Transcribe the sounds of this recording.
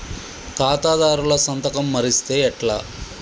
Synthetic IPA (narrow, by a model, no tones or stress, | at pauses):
kaːt̪aːd̪aːɾulɐsɐnt̪ɐkɐmːɐɾist̪e̞ːɛʈlaː